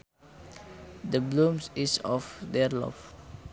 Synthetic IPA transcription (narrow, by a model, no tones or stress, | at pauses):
d̪əblũmsisɔfd̪ɛɾlɔ̰f